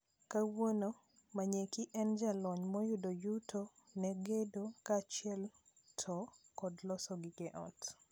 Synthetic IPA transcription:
kawono | maɲekɪʔɛnd͡ʒalɔɲmɔjʊdojutʰonɛɡedokat͡ʃɪɛl | tʰɔkɔdlɔsɔɡiɡɛʔɔ̰t

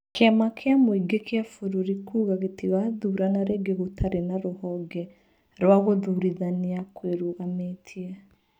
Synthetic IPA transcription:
keamakʰeamoiɡekeafoɾoɾikuːɣaɣetiɣaðuɾanaɾeːɡeɣotʰaɾenaɾohɔɡɛ | ɾwaɣoðuɾiðaneakweɾuɣametʰiɛ

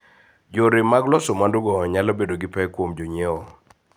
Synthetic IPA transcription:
d͡ʒoɾɪmaɡlɔsomanduɡɔɲalɔbedoɡɪpɛkwomd͡ʒoɲeɔ

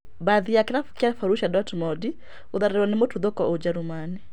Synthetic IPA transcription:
baðiakeɾafkjafaɾuʃadɔtmɔdi | oðaɾeɾwanemotuðokɔʔod͡ʒaɾumani

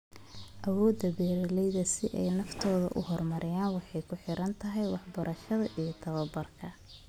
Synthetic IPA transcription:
ʔɐwɔːd̪ɐbɛːɾɪlɛjðɐsɪʔɛ̰jnɐft̪ʰɔːðɐ̰ʔʊhɔrmɐɾʔɪjaːnwɑħɑjkʰʊħɪɾʔɐnt̪ʰɐɦɛjwɑħbɐɾʔɐʃɐðɐʔijɞt̪ʰɐβɐbɐrkʰɐ

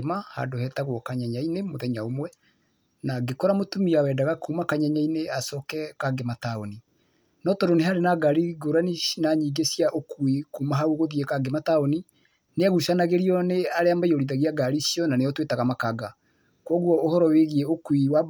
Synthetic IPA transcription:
maha̰ndohɛtaɣwɔkaɲaɲainemoðɛɲaomwɛ | naɡekɔɾamotumiawɛdaɣakumakaɲaɲaineasɔkɛkaɡematao̰ni | nɔtɔɾoneɦaɾenaɡaɾiɡoɾaninaɲiːɡesiaʔokwikumaɦauɣoðiɛkaɡemataoni | neaɣuʃanaɣeɾiɔneaɾeamaiɔɾiðaɣiaɡaɾisjɔnaneɔtwetaɣamakaɡa | kwɔɣwɔohɔɾɔweɣiɛokwiwa

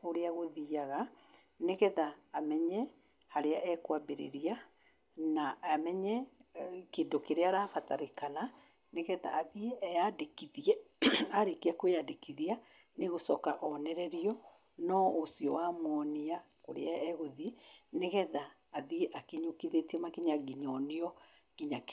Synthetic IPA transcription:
oɾeaɣoðiaɣa | neɣɛðaːmɛɲɛ | haɾeaʔɛkwabeɾḛɾia | naamɛɲɛ | keːndokeɾeaɾaːfataɾekana | neɣɛða̰ːðieɛjadekiðiɛaɾekiɛkojadekiðia | neɣosɔkaʔɔnɛɾɛɾiɔ | nɔosiɔwamwɔnia | koɾḛaɛɣoðineɣɛðaː | ðieʔakeɲokiðetiɛmakiɲaɡiɲɔneɔ | kiɲak

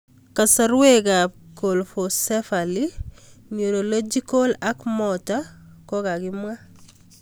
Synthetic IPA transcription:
kasaɾweɡakolfosefaliɲuɾolod͡ʒikolakmɔta | kɔkaɡimwa

